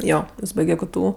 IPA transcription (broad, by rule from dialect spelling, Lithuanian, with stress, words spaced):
ˈjoː ˈjɪs ˈbɐɪɡʲɛ ˈktʊ